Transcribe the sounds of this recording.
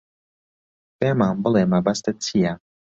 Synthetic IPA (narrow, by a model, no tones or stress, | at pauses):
peːmaːmbəlemabast̪ət͡sʰija